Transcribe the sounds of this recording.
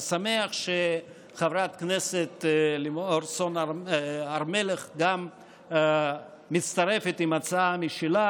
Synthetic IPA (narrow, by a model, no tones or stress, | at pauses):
sameaχʃe | χavɾat̪kneset̪limoɾson | aʁmeleχɡam | it͡st̪aɾefet̪imat͡saamiʃila